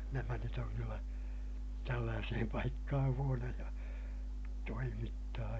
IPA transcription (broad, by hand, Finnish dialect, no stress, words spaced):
næmæ nyt oŋ kylːæ tælːæːsehem pɑikːɑhɑ̃ː huonojɑ toimitːɑː